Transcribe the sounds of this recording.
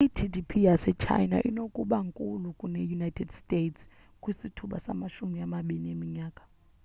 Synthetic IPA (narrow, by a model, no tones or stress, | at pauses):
itʰidipʰijasɛt͡ʃʰa̰jna̰ʔḭnokʼuɓaŋkʼulukʼunejunajtʰɛdstʼetʰs | kʼwisitʰuɓa̰sa̰maʃumiamaɓiniemiɲaːkʼḁ